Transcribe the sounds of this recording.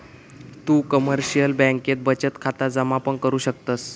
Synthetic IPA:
t̪uːkəməɾɕijəlbɛ̃ŋket̪̚bət͡ɕət̪kʰat̪ad͡zəmapəɳkəɾuːɕək̚t̪əs

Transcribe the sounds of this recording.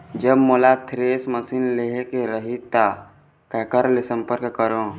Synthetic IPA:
d͡ʒəbmoːlat̪ʰɾeːsməsiːnleɦekeɾəɦit̪a | kɛːkəɾlesə̃mpəɾkkəɾõː

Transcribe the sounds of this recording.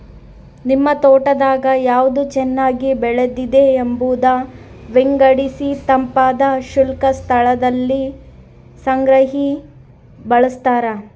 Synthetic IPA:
nimːɐt̪ɔːʈɐd̪aːɡɐjaːʋd̪ut͡ʃɛnːaːɡibɛɭed̪id̪eːmbuːd̪ɐ | ʋeŋɡɐɽisit̪ɐmpaːd̪ɐʃulkɐst̪ʰɐɭɐd̪ɐlːi | sɐŋɡɾɐɦi | bɐɭust̪aːɾɐ

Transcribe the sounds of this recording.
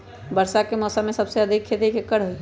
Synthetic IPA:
bəɾsakemɔːsəmːẽsɐbseɐd̪ʱikʰːed̪ekekːəɽɦʊi

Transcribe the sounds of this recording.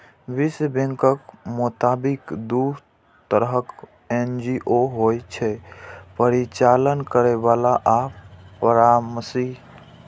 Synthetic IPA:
bisəbẽŋkəkmut̪abikd̪uɾ | t̪əɾɦək | end͡ʒiʔoɦojt͡ʃʰɛpəɾit͡ʃalənkəɾebalaʔapəɾaməsiɦ

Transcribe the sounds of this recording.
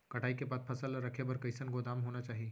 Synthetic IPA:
kɐʈʰaːikebat̪̚pʰəsəlɾəkʰebəɾkəjsənɡod̪aːmɦoːnat͡ʃaːɦi

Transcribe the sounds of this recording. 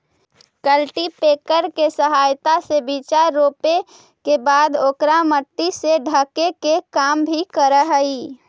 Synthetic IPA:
kəlʈipeːkəɾkesəɦaːjt̪asebiːt͡ʃaɾːoːpe | kebaːd̪oːkɾaməʈ̪ːiseɖʱəkekekaːmbʱikəɾəɦəi

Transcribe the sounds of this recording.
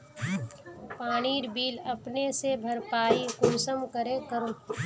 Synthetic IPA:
paːɽ̃iːɾbiːlɐpnesebʱɐɾpaːikʊɾsəmkəɾẽkəɾõː

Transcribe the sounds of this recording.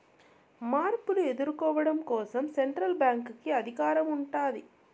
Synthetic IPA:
maːɾpuluɛðɯɾkɔːʋɐɽɐmkoːsɐmsɛɳʈɾɐlbaːŋkɯkːɯɐðɪɣaːɾɐmʊɳʈaːði

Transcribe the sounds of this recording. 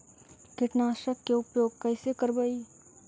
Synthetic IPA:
kɪʈnaːʃɾəkːeʊɡpjoːɡ̚kɛɪsekəɾbəi

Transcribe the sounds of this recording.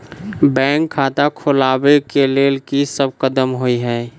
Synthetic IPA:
bɛ̃ːŋkʰːaːt̪akʰolaːbekeleːlkisəb̚kəd̪əmɦoiɦɛ̃ː

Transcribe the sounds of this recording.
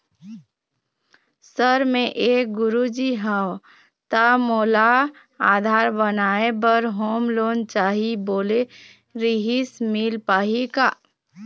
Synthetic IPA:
səɾmẽʔeːk̚ɡʊɾud͡ʒiɦaw | t̪amoːla | aːd̪ʱaːɾbənaːebəɾɦoːmloːnt͡ʃaːɦiboːle | ɾiɦismɪlpaːɦikaː

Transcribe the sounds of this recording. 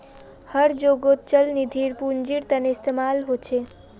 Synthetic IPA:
həɾd͡ʒoɡot̪̚t͡ʃəlnid̪ʱiɾpund͡ʒiɾt̪əneɪst̪emalɦot͡ʃʰe

